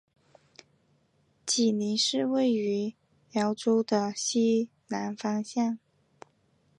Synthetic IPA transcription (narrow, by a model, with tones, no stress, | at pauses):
t͡ɕi˨˩ni˧˥nʂɻ̩˥˧we˥˩ɪy˧˥ | jjɑ˧˥ʊʈ͡ʂu˥ʊd̪ə˧ɕi˥ | na˧˥nfɑ˥ŋɕjɑ˥˩ŋ